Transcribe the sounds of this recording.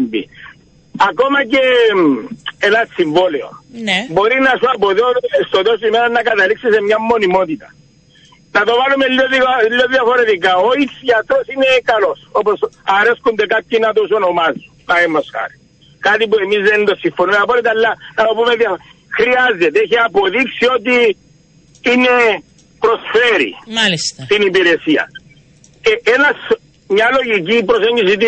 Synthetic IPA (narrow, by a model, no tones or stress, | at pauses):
mbḭ | akomɐce | enasiɱvoleo̰boɾinɐsuɐpoðoest̪ot̪osimeɾanɐkat̪ɐliksisemɲamːo̞nimot̪it̪ɐ̥ | nɐt̪o̞valumelːoðilːoðjɐfoɾet̪ik̬aoisat̪osinekalosoposaɾeskund̪ekat̪ːinat̪os̬onomazi̥ | naemːosxa̰ɾi̥ | kat̪ipuemizend̪osːifonumeapoɾit̪alːanaopumeðja | xɾiazet̪eçiapoðiksiot̪i | ine | pɾosfeɾḭalist̪st̪inipiɾesiɐ̰ | keʔenas | ɲːaloʝik̬ipɾoseɲɟisit̪i